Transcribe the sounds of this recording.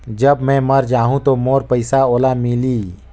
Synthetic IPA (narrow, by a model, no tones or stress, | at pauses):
d͡ʒɐbmɛ̃ːmɐɾd͡ʒaːɦũt̪omoːɾpəɪsaoːlamɪliː